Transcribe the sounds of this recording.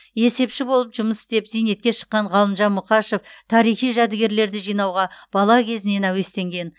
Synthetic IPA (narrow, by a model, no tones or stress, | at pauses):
e̞se̞pʃɪbo̞lˠəpʒʊməsɪ̥t̪epzijne̞t̪kʲe̞ʃə̥qːɑɴʁɑlˠəmʒɑnmʊqɑʃeft̪ʰɑɾijχijʒɑd̪ɪɡʲe̞ɾle̞ɾd̪ɪʒijnɑwʁɑb̥ɑlˠɑkʲʰe̞zɪne̞næwe̞st̪e̞ŋɡʲe̞n